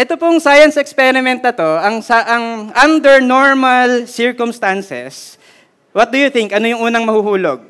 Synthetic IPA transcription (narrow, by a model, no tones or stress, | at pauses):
ʔɛt̪opoŋsajɐnsɛkspɛɾɪmɛ̃nt̪̚nɐt̪o̞ʔɐŋsaʔɐŋʔɐnd̪ɛɹnoɹmɐlsɪɹkʊmst̪ansɛ̰s | wɐt̪̚d̪ʊjʊθɪŋkʔɐnojʊŋʔuːnɐŋmɐhuːhuːloɡ̚